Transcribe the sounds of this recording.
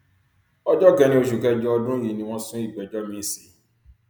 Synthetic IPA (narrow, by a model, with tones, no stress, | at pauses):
ɔ˦d͡ʒɔ˦ɡɛ˧nĩ˦o˨ʃu˨kɛ˦d͡ʒɔ˦ɔ˦dʊ̃˦ji˨nĩ˦wɔ̃˦sʊ̃˦i˦˨ɡ͡bɛ˨d͡ʒɔ˦mĩ˦si˨